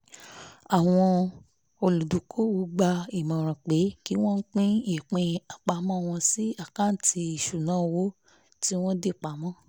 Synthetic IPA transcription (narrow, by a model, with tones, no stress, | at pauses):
a˨w̃ɔ̃˧ | o˧lu˨du˨kʰo˦wu˨˦ɡ͡ba˧i˨mã˨ɾ̃ã˨k͡pe˨˦ki˨˦w̃ɔ̃˦n̩˦k͡pĩ˦e˨k͡pɛ̃˧a˨k͡pa˧mɔ̃˦˨w̃ɔ̃˧si˦a˨kã˦n̩˦ti˧i˨ʃu˨nãː˨˦wo˦ | ti˦w̃ɔ̃˦de˦˨k͡pa˨mɔ̃˦˨